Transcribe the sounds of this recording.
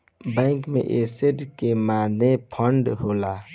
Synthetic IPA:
bɛ̃ːŋkmḛ̃ʔeːseɖkemaːnepʰə̃ɳɖɦoːlaː

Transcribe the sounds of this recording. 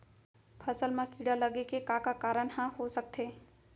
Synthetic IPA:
pʰəsəlmakiɽaləɡekekakakaɾənhãɦosək̚t̪ʰe

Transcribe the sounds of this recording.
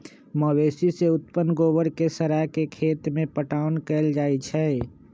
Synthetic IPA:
məweːsiseʊt̪pənɡoːbəɾkesəɾakekʰeːt̪mẽpəʈaːʊnkɛːld͡ʒaːit͡ʃʰɛ

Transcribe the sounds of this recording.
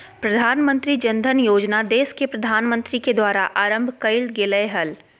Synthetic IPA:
pɾɐd̪ʱaːnmə̃nt̪ɾid͡ʒə̃nd̪ʱənjoːd͡ʒnad̪eːskepɾɐd̪ʱaːnmə̃nt̪ɾiked̪waːɾaʔaːɾə̃mbʱkəɪlɡɪləeɦəl

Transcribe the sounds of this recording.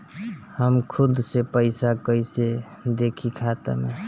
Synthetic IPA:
həmkʰud̪sepəɪsakəjse | d̪ekʰikʰat̪ə̰mḛ

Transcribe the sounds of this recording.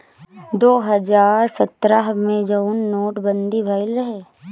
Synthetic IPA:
d̪oːɦɐd͡ʒaːɾsɐt̪ɾaɦmẽd͡ʒəʊnːoːʈbə̃nd̪ibʱaːɪlɾɐɦeː

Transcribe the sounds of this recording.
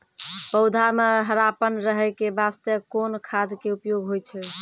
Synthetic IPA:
pəʊd̪ʱameɦəɾapənɾəɦəkebast̪əkonkʰad̪ʱkeupjoɡɦojt͡ʃʰɛ

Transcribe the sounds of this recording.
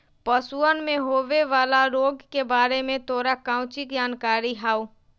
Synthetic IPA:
pəsuənmẽɦoːʋeʋaːlaɾoːɡkebaːɾemẽt̪oːɾakãːʊt͡ʃɪkd͡ʒaːnkaːɾiɦaːu

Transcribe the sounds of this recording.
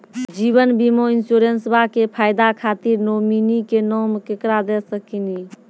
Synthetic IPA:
d͡ʒiβənbimoinsuɾensbakepʰajd̪akʰat̪iɾnominikenɔmkekɾad̪ɛsəkini

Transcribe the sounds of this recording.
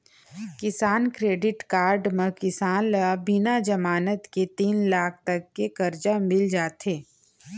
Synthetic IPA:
kɪsaːnkɾeːɖɪʈkaːɾɖməkɪsaːnlbɪnad͡ʒɐmaːnət̪ket̪iːnlaːk̚ʰt̪ɐkːekɐɾd͡ʒamɪld͡ʒaːt̪eː

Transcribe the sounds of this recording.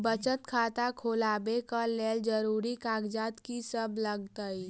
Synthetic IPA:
bət͡ʃət̪kʰaːt̪akʰoːlaːbekəleːld͡ʒəɾuːɾikaːɡd͡ʒaːt̪kisəbʱləɡt̪əi

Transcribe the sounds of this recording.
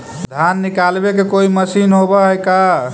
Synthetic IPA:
d̪ʱanːikalbekekoiməsinɦobɔɦəjka

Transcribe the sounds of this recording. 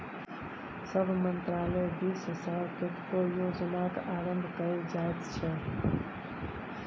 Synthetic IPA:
səbʱmə̃nt̪ɾaːləbʱisɦəsaːlt̪ʊt̪kojoːd͡ʒnakaːɾə̃mbʱkəid͡ʒaːet̪t͡ʃʰɛ

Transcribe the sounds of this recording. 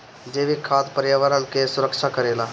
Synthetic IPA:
d͡ʒeːʋikʰaːt̪pəɾjaʋəɾənkesʊɾəkʃakəɾeːlaː

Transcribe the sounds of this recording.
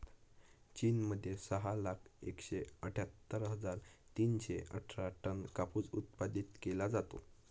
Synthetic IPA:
t͡ɕinməd̪ʱːjesəɦalakʰekɕeəʈʰat̪ːəɾɦəd͡zaɾt̪iːnɕeə̰ʈʰɾaʈənkapud͡zut̪̚pad̪it̪kelad͡zat̪o̰

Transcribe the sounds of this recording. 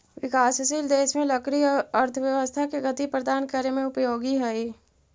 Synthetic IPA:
ʋɪkaːsɐsiːld̪eːʃmẽlɐkɾiɐɾt̪ʰəʋjɐʋəst̪ʰakeɡɐt̪ipɾəd̪aːnkəɾemẽʊpjoːɡiɦɛe

